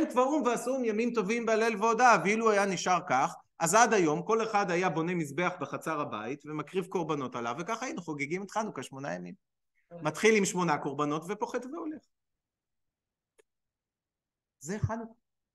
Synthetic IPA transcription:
nutvaumveasumjamimt̪o̞vimbeale̞lveodaviluajaniʃaʁkaχ | ʔazad̪ajo̞mko̞le̞χad̪ajabo̞ne̞mizbe̞aχbeχat͡saʁabaitvemakʁivko̞ʁbano̞talavekaχajinuχoɡeɡimit̪χanukaʃmo̞najamim | mat̪χilimʃmo̞nako̞ʁbano̞tve̞po̞χetveole̞χ | zeχanu

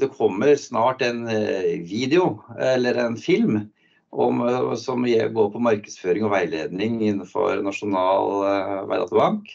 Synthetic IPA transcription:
d̪ɛkʰɔmːəɾsnɑːʈæɪnʋiːd̪ɛʊɛlːəɾɛnfɪlm | ʔɔmsɔmjɛɡoːpʰɔmɑɾkəsføːɾɪŋɔʋæɪlḛːd̪nɪŋɪnːəfɔ̰ɾnɑʂʊnɑːlʋæɪd̪ɑ̰t̪əbɑŋk

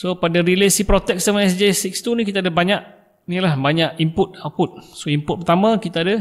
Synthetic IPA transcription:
sopadaɾilesipɾot̪ɛk̚samaɛsd͡ʒesikst̪unĩkit̪adəbaɲaʔ̚ | nilahbaɲaʔimpʊt̪̚aput̪̚soimpʊt̪̚pərt̪amə̃kit̪aadə

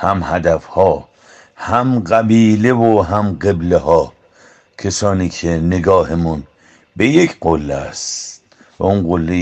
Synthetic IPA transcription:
hæmhæd̪æfhɒː | hæmɢæbiːlevoɦæmɡeblehɒː | kʰesɒːniːkʰeneɡɒːhemun | bejekʰɢolːeæ̰st | væunɡolːe

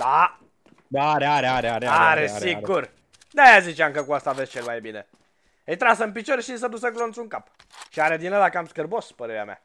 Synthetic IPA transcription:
d̪̥a | d̪aɾeaɾeaɾeaɾeaɾesiɡur | d̪ajazit͡ʃeaŋkəkuast̪avest͡ʃelmajbine | əjt̪ɾasəɨmp̬it͡ʃoɾeʃis̬əd̪usəklont̪suŋkap | ʃiaɾed̪inəlakampskərbospəɾeɾea̰mja̰

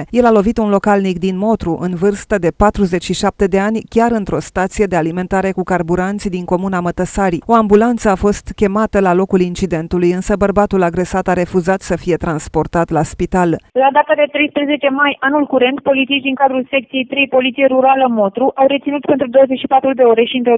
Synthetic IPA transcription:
je̞lalo̞vit̪unlo̞kalnik̚d̪inmo̞t̪ɾuʔɨnvɨrst̪əd̪e̞pat̪ɾuze̞t͡ʃʃiʃap̚t̪e̞d̪e̞anʲkʲaɾɨnt̪ɾo̞st̪at̪sije̞d̪e̞alime̞nt̪aɾe̞kukarbuɾant̪sʲd̪iŋko̞munamət̪əsaɾio̞ambulant̪səafo̞st̪kʲe̞mat̪əlalo̞kulint͡ʃid̪e̞nt̪ulujɨnsəbərbat̪ulaɡɾe̞sat̪aɾe̞fuzat̪səfije̞t̪ɾanspo̞rt̪at̪laspit̪allad̪at̪ad̪e̞t̪ɾe̞jspɾeze̞t͡ʃe̞majanulkuɾe̞nt̪po̞lit̪siʃd̪iŋkad̪ɾulse̞k̚t̪sijejt̪ɾe̞jpo̞lit̪sijeɾuɾaləmo̞t̪ɾuʔawɾe̞t̪sinut̪pent̪ɾud̪o̞wəzet͡ʃʃipat̪ɾud̪e̞o̞ɾe̞ʃint̪ɾo

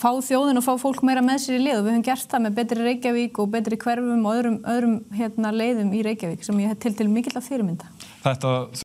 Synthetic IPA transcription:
faːwθjoːwðɪnɔfaːwfowl̥kmeːjɾamɛðsiɾɪlɪːðɔvɪðœvʏmcɛr̥t̪θamɛðp̬ɛːt̪ɾɪreːjcaviːkɔɣp̬ɛːt̪ɾɪkʰvɛɾvʏmɔœðɾʏmœðɾʏmçjɛt̪naleːjðʏmiɾeːjcaviːksɛmjɛɛt̪ʰɪlt̪ʰɪlmɪːcɪt̪lawfɪːɾɪmɪnt̪ḁθɛht̪a

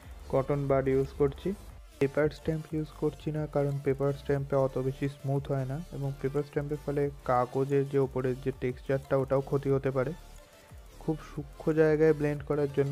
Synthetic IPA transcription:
ɡɔʈonbaɖjuzkoɾt͡ɕʰi | pepaɾsʈɛmpjuzkoɾt͡ɕʰinakaɾonpepaɾsʈɛmpeɔt̪obeʃismud̪ʱɦɔenaeboŋpepaɾsʈɛmpefʰɔlekakod͡ʑeɾd͡ʑeopoɾeɾd͡ʑeʈeksʈt͡ɕaɾʈʈaoʈaokʰot̪iɦot̪epaɾe | kʰubʃukʰːod͡ʑaeɡaebleɳɖkɔɾaɾd͡ʑonːo

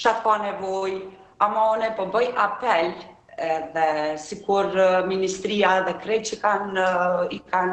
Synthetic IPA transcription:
ʃat̪kɔnɛvɔj | amanɛpɔbəjʔapɛl | ɛðɛsikuɾminist̪ɾiaɛðɛkɾɛjt͡ʃəkanikan

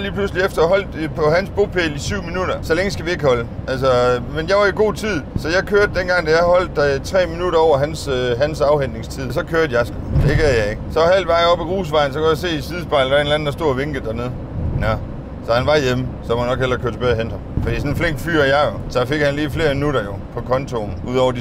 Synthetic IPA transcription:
liːpʰlusliefd̥ɐɦɒ̽l̰d̥pʰɒ̽hænsb̥o̝pʰeːlisyʊ̰minuɾ̥ɐsɒ̽leŋəsɡ̥æʋie̝ɡ̥hɒ̽ləʔæls̬ɒmenjɑ̈ɪʋɑ̈iɡ̥o̝̰ːt͡sʰið̞̰ˠsɒ̽jɑ̈ɪkʰøɐd̥̚ːenɡ̥ɑ̈ŋ̰d̥æjɑhɒ̽l̰d̥t͡sʰʁɛ̰ːminuɾɐɒʊ̰ɐɦænsɦænsɑ̈ʊhen̰e̝ŋst͡sʰið̞̰ˠsɒ̽kʰøːɐd̥jɑ̈sɡ̥ud̥eɡ̥æ̰jɑ̈ɪe̝ɡ̥əsɒ̽hæld̥ʋɑ̈ɪɒ̽b̥æʁuːsʋɑ̈ɪn̩s̬ɒ̽kʰæjɑse̝̰ːisið̞ˠsb̥ɑ̈ɪldɑe̝nlæn̩dæɐsd̥o̝ɐ̰ʋe̝ŋɡ̥ð̩ˠd̥æɐne̝ð̞ˠ | nɔ | sɒ̽hænʋɑ̈jeməsɒ̽mhænɒ̽ɡ̥hel̰ɐkʰøɐdsʰbeðˠɦen̰d̥ɒ̽mfd̥ḭːsɒ̽nfleŋ̰ɡ̥d̥fy̰ɐ̰jɑodɒfe̝ɡ̥hænliːfle̝ːɐminuɾɐjo̝pʰɒ̽kʰɒ̽nt͡sʰo̝nuð̰ˠɒ̰ʊɐd

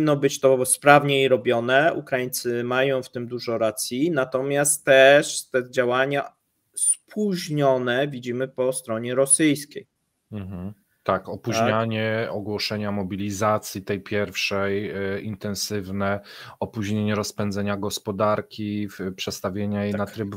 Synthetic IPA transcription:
inːɔbɘt͡ɕt̪ɔspɾavɲeiɾɔbʲjɔnɛṵkɾajint̪sɘmajɔ̃w̃ft̪ɘmd̪uʐɔɾat̪sʲjinat̪ɔmʲjast̪ːɛʂt̪ɛd͡ʑawaɲa | spʰuʑɲɔnɛvʲid͡ʑimɘpɔst̪ɾɔɲɛɾɔsɘjskʲej | m̩ɦ̩ | t̪akɔpuɲaɲɛɔɡwɔʂɛɲamɔbʲilʲizat̪sʲjit̪ɛjpʲjɛɾfʂɛjint̪ɛ̃ñsɘvnɛɔpuʑɲeɲɛɾɔspɛnzɛɲaɡɔspɔd̪aɾkʲipʂɛt̪st̪avʲjeɲajenat̪ɾɘb

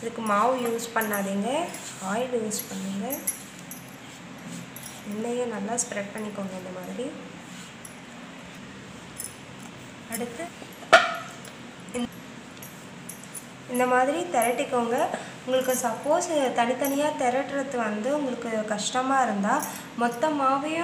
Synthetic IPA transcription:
ɪðɯkːɯmaːʋɯjuːspɐɳːaːðiːŋɡɐ | aːjɪljuːspɐɳːiːŋɡɐ | ɛnːɐjõːnɐlːaːspɾɛʈ̚pɐɳːɪkːoːŋɡɐɪnd̪ɐmaːðɪɾi | ɐɽɯt̪ːɯ | ɪnd̪ɐmaːðɪɾit̪ɛɾɐʈːɪkːoːŋɡɐ | ʊŋɡɐɭɯkːɯsɐpːoːst̪ɐnɪt̪ːɐnɪjaːt̪ɛɾɐʈːɾɐt̪ːɯʋɐnd̪ɯʊŋɡɐɭɯkːɯkɐʂʈɐmaːɪɾɯnd̪aː | mɔt̪ːɐmaːʋɪjʊ̃

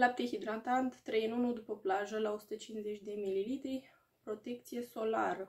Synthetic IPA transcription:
lap̚t̪exid̪ɾant̪ant̪ːɾejənunud̪upəplaʒəlaosu̥t̪ət͡ʃinze̞t͡ʃʲd̪e̞mililit̪ɾij | pɾo̞t̪e̞k̚t̪sije̞so̞la̰ɾə

